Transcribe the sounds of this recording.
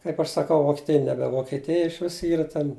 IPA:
kɐɪp ɐʃ sɐˈkɐʊ ʋoːkʲiɛˈtʲɪjɛ ˈnʲæːbʲɛ ʋoːkʲiɛˈtʲɪjɛ ɪʃʲˈʋʲɪs ˈiːrɐ tʲɛn

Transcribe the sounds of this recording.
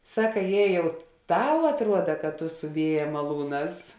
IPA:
ˈsɑːkɐ ˈjeː ˈjɛʊ ˈtɐʊ ɐtˈruɔdɐ kɐt tʊ sʊ ˈʋʲiɛjɛ mɐˈlˠuːˌnɑːs

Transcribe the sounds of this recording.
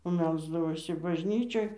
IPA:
oː ˈmʲɛlˠzdɐʋoːsʲɪ bɐʒʲˈnʲiːt͡ʃʲoːj

